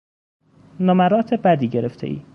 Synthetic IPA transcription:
nɒmæɾɒːt̪ʰebæd̪iːɟeɾeft̪ʰḛʔḭː

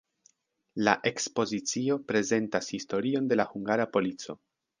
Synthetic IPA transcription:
la̰ʔe̞kspo̞zit͡sio̞pɾe̞ze̞ntashisto̞ɾio̞nde̞lahuŋɡaɾapo̞lit͡so̞̰

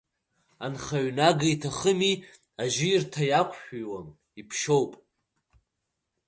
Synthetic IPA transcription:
anχaɥnaɡaitʰaχəmi | aʒɪirtʰajakʷʰʃᶣijwam | ipʰʃo̞wpʼ

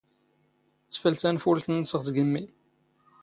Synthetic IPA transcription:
t͡sːə̥fəlt̪ænfulθənːsəʁt̪ɡəmːi

